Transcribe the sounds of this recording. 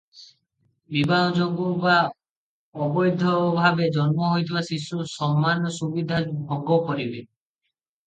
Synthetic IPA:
bibanɔd͡ʒɔɡuka | ɔbɔjd̪ʱɔbʱabed͡ʒɔnmɔɦojt̪ʰibasisusɔmːanɔsubid̪ʱabʱɔɡɔkɔɾibe

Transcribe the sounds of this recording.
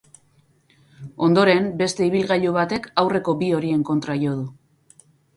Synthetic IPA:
o̞nd̪o̞ɾe̞mbe̞st̪e̞iβilɣaʎuβat̪e̞kawre̞ko̞bio̞ɾie̞ŋko̞nt̪ɾaʝo̞ð̞u

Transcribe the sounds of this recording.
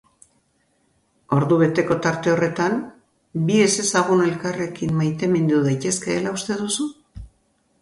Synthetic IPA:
o̞ɾðuβ̞e̞t̪e̞ko̞t̪aɾt̪e̞o̞re̞t̪an | bie̞se̞saɣ̞une̞lkare̞kimmajt̪e̞mind̪uðajt̪e̞ske̞ːlaust̪e̞ðusu

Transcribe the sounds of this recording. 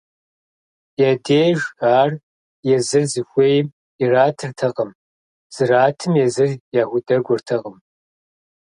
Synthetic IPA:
jaːdeːʒaːr | jɛzɨrzɨxʷeːjm | iraːtʰɨrtʰɐqəm | z̥ɨraːtʰɨmjɛzɨrjaːxʷʊdɐɡʷʊrtʰɐqəm

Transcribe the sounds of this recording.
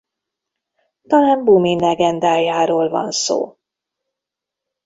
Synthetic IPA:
t̪ɒlaːmbuminlɛɡɛnd̪aːjaːɾoːlvɒ̰nso̰ː

